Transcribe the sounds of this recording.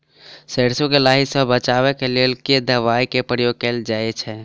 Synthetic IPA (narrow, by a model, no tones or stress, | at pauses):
seɽsõkelaɦisəbbət͡ʃaʋɛkelelked̪əʋaikepɾəjoɡ̚keld͡ʒaɛt͡ʃʰɛ